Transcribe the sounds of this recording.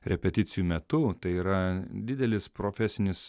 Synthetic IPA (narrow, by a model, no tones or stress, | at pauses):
ɾʲɛpʲɛt̪ʲɪt̪sʲɪjumʲɛt̪ʊt̪ɐɪiːɾɐd̪ʲɪd̪ʲɛlʲɪspɾoːfʲɛsʲɪnʲɪs